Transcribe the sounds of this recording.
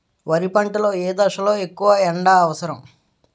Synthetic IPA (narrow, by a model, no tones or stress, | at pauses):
ʋɐɾipɐɳʈɐlo̞ːeːd̪ɐʂɐlo̞ːekːuʋɐɛɳɖaːɐʋɐsɐɾɐm